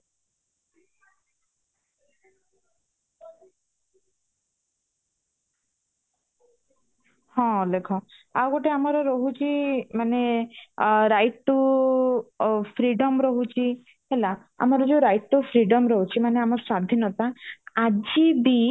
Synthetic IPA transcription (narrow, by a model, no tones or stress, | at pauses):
hɔ̃lekʰɔawɡɔʈeamɔɾɔɾɔɦut͡ʃʰimane | ɾajt̪ːu | pʰɾiɖɔmɾɔɦut͡ʃʰi | ɦela | a̰mɔɾɔd͡ʒeɾajt̪ːupʰɾiɖɔmɾɔɦut͡ʃʰimaneamɔɾsad̪ʱinɔt̪aad͡ʒibi